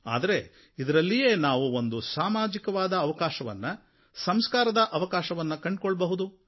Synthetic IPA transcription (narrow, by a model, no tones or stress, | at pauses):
a̰ːd̪ɐɾe̞ | id̪ɐɾɐlːije̞ːnaːʋuo̞nd̪usaːmaːd͡ʒikɐʋaːd̪ɐːʋɐkaːʃɐʋɐ̰nːɐ | sɐmskaːɾɐd̪ɐʔɐʋɐkaːʃɐʋɐnːɐkɐɳɖ̚koɭːbɐɦud̪u